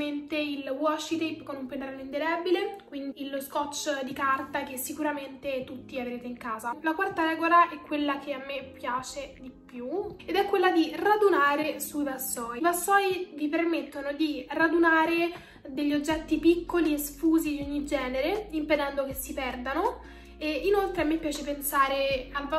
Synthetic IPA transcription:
ent̪eilwɔt͡ʃːit̪ejpkonumpenɾaloind̪elɛbilekwind̪iiloskɔt͡ʃːd̪ikart̪akesːikuɾament̪et̪ut̪ːiaveɾeːt̪eiŋkaːzalakwart̪aɾɛːɡolaʔɛkːwelːakʰeamːepːjaːt͡ʃed̪ipːjued̪ɛkːwelːad̪irad̪unaːɾesuibasːɔːipasːɔːivipermet̪ːonod̪irad̪unaːɾe | d̪eʎːiod͡ʒːɛt̪ːipikʰːoliesfuːzid̪ioɲːid͡ʒɛːneɾeimped̪ɛnd̪ok̟esːipɛrd̪ano | einolt̪ɾeamːepːjaːt͡ʃepensaːɾeal

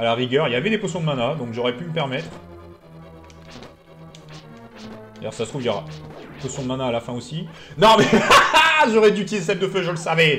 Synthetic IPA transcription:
alaʁiɡʲœʁiljavɛd̪epɔsjɔ̃d̪əmanad̪ɔ̃kʒɔʁɛpyməpɛʁmɛt̪χ | ajɔ̰ʁsasət̪uvjɔʁa̰pɔsjɔ̃d̪əmanaːlafɛ̃osinɔ̃mɛ | ʒɔʁɛd̪yt̪izesɛp̚d̪əføʒələsavɛ

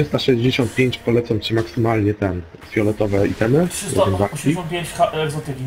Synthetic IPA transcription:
ʂɘst̪aʂɛʑd͡ʑeɕɔnt̪pʲjeɲt͡ɕpɔlɛt̪sɔmt͡ɕimaksɘmalɲɛt̪ɛn | fʲjɔlɛt̪ɔvɛit̪ɛmɘʂɔ̰ɛ̃nzaɾiɔ̃pʲeɲt͡ɕaɛɡzɔt̪ɪkʲi

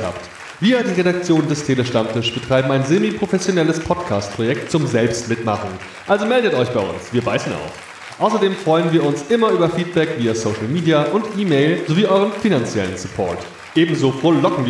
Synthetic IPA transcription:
ha̰ːpt | v̥iːɐdiːʁeɾak̚t͡sjoːndəstʰeləʃtamtɪʃb̥ətʁ̥aɪbm̩aɪnzemipʁ̥ofɛsjonɛləspʰɔtkʰaːst̚pʁ̥ojɛk̚tt͡sʊmzɛlpstmɪtma̰χn̩ | ʔalzomɛldətʔɔʏçb̥aɪʔʊ̰nsv̥iːɐbaɪsn̩a̰ʊf | ʔaʊsɐdeːmfʁ̥ɔʏənviːɐʊnsʔɪmɐʔyːbɐfiːt̚b̥ɛkv̥iːɐsoʊʃl̩miːdiaʔʊntʔiːmeɪlzoviːʔɔʏʁənfinant͡sjɛ̰lənsupʰɔ̰ɐt | ʔeːbm̩zoːfoɐlɔkŋ̩viː

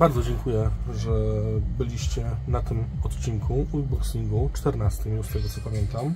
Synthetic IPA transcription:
baɾd̪zɔd͡ʑɛŋkujɛʐɛbɘlʲiɕt͡ɕɛnat̪ɘmɔt̪t͡ɕiŋkʰuubɔksʲiŋɡut͡ʂt̪ɛɾnast̪ɘmjuʂt̪ɛɡɔt̪sɔpamʲjent̪am

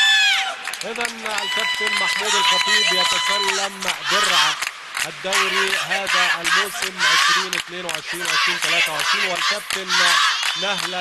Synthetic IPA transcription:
ʔɪðanalkab̚t̪ɪlmaħmuːd̪ilxɑt̪ˤiːbjat̪akalːambɪrˤʕa | ʔad̪ːawɾiɦaːðaʔalmawsɪmʕɪʃɾiːnɪθneːnwɪʕɪʃɾiːnwʕɪʃɾiːnt̪alaːt̪awʕɪʃɾiːnwɪlkab̚t̪ɪlnahla

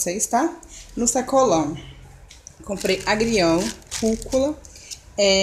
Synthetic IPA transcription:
seist̪anusɐkolɐ̃w̃ | kõmpɾejaɡɾiɐ̃w̃kukulɐ | ɛ

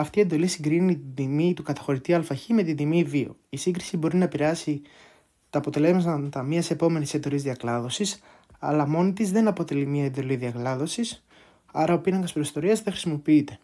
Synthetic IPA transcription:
ɐft̪ied̪o̞lisiŋɡɾinit̪id̪imit̪ukɐt̪ɐ̥xo̞ɾit̪iɐlfɐçime̞t̪id̪imivio̞̰isiŋɡɾisibo̞ɾinɐpiɾeɐsi | t̪ɐːpo̞t̪e̞le̞zmɐt̪ɐt̪ɐmɐse̞po̞me̞nisend̪o̞lizðiɐklɐðo̞sis | ɐ̰lɐmo̞nit̪izðe̞nɐpo̞t̪e̞limɲɐend̪o̞liðiɐklɐðo̞sis | ɐɾɐopinɐŋɡɐspɾost̪o̞ɾiɐzðexɾisimo̞piit̪e̞

